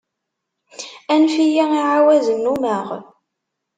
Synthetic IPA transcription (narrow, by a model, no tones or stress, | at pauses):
ænfijiiʕawæzənːuməʁ